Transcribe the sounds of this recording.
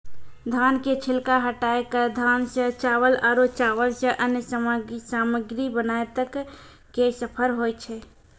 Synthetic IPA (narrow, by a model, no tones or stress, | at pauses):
d̪ʱanket͡ʃʰilkaɦəʈaekəd̪ʱansə̃t͡ʃaʋəlaɾot͡ʃaʋəlsə̃ʔənjəsəmaɡisaməɡɾibənaet̪əkː | esəpʰəɾɦojt͡ʃʰɛ